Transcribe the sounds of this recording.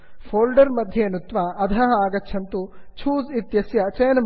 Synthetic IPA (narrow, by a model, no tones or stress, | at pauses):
fʰoːlɖɐɾmɐd̪ʱjeːnut̪ʋɐːd̪ʱɐɦɐaːɡɐt͡ʃːʃʰɐnt̪ut͡ʃʰuːzit̪jɐsjɐt͡ʃɐjɐnɐm